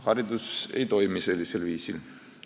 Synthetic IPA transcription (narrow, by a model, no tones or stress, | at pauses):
hɑɾid̪use̞̰jt̪o̞jmise̞lʲːise̞lviːsil